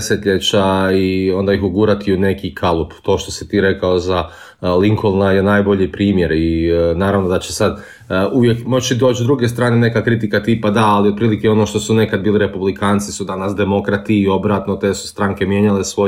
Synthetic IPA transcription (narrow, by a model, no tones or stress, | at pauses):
set̪ʎet͡ɕaio̞nd̪aixuɡuɾat̪iune̞kikʰalˠupt̪o̞ːʃt̪o̞sit̪iːɾe̞kao̞za | liŋkʰolˠnajenaːjbo̞ʎipɾiːmjeɾinaːɾaʋnod̪at͡ɕesad̪ | uʋjekmo̞t͡ɕid̪oːt͡ɕd̪ɾuɡest̪ɾaːne̞ne̞kakɾit̪ikat̪iːpad̪aːliot̪pɾiːlikeo̞noʃt̪o̞sune̞kad̪̚biːliɾe̞publikʰaːnt̪sisud̪anasd̪e̞mo̞kɾat̪iːo̞bɾaːt̪not̪eːsu̥st̪ɾaŋke̞mje̞ːɲalesʋo